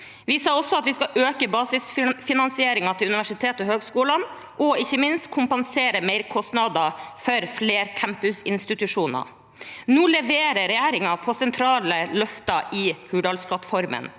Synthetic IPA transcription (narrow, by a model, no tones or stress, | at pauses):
ʋɪsɑːɔsɔɑt̪ʋɪskɑʔøːkəbɑːsɪsfɪnɑnsɪeːɾɪŋɑt̪ʰɪlʉnɪʋæʂɪt̪ʰeːt̪ɔhøːɡskuːlɑn | ʔɔɪçːəmɪnst̪kʰʊmpɛnseːɾəmeɪɾkʰɔst̪nɑd̪ɑfœɾfleːɾkʰæmpʉsɪnst̪ɪt̪ʉʂuːnɑ̰ | nuːlɛʋeːɾəɾɛjeːɾɪŋɑpʰɔsɛnt̪ʰɾɑːləlœft̪ɑʔɪhʉːɖ̪ɑlspʰlɑt̪fɔɾmə̰n